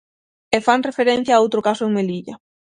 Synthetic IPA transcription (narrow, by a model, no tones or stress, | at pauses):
efaŋrefeɾẽn̟θjaːowt̪ɾokasʊeŋmeliʎɐ